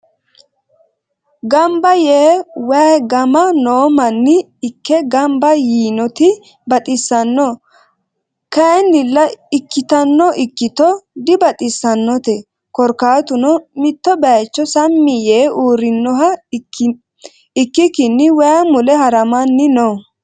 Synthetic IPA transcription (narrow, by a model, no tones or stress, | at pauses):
ɡɐmbɐjeːwɛɡɐmɐnoːmɐnːɪː | kːɛɡɐmbɐjiːnɔt̪ɪ | bɐt̪ʼɪsːɐnːɔ | kɐnːɪlːɐɪkːɪt̪ɐnːɔʔɪkːɪt̪ɔd̪ɪbɐt̪ʼɪsːɐnːɔt̪ɛ | kɔɾkaːt̪ʊnɔmɪt̪ːɔbɛt͡ʃːɔsɐmːɪjeːʔuːɾɪnːɔɦɐ | ɪkːɪkɪnːɪwɛamʊlɛhɐɾɐmɐnːɪnɔ